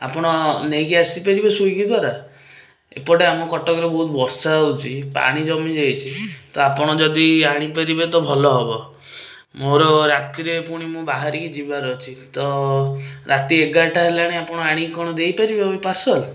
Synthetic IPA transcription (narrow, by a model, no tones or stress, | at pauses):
a̰pɔɽ̃ɔnejkiasipaɾibesujkid̪ʱwaɾa | ḛpɔɽeamɔkɔʈɔkɔɾebɔɦut̪bɔɾsaɔwt͡ʃʰipa̰ɽ̃id͡ʒɔmid͡ʒejt͡ʃʰit̪ɔapɔɽ̃ɔd͡ʒɔd̪iaɽ̃ipaɾibet̪ɔbʱɔlɔɦebɔ | moɾɔɾat̪iɾepuɽ̃imũbaɦaɾikid͡ʒibaɾɔt͡ʃʰit̪ɔ | ɾat̪ieɡaʈaɦelaɽ̃iapɔɽ̃ɔaɽ̃ikɔɽ̃ɔd̪ejpaɾibeipaɾsɔl